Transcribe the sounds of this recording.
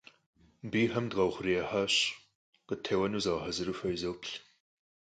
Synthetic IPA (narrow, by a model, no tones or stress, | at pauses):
biːħɐmdʁɐwχʷʊriɛħaːɕ | qətʰeːwɐnuːzaːħɐzɨɾuːfɐjizɐwpʰɬ